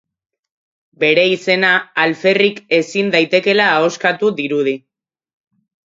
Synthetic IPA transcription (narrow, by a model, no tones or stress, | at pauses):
be̞ɾe̞ise̞naːlfe̞rike̞sind̪ajt̪e̞ke̞laːo̞skat̪uðiɾuð̞i